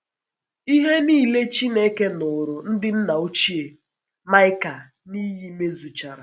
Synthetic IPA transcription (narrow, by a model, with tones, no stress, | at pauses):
i˦ɦe˦niː˦˨le˦t͡ʃi˦ne˦ke˦nʊ˨ɾʊ˨n̩˦dɪ˦n̩˦na˨u˦t͡ʃi˦e˨ | ma˦ɪ˦ka˨ | ni˦ji˦me˦zu˨t͡ʃa˨ɾa̰˨